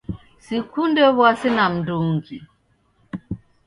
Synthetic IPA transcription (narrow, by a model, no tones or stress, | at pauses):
sikundɛβwasinam̩duŋɡi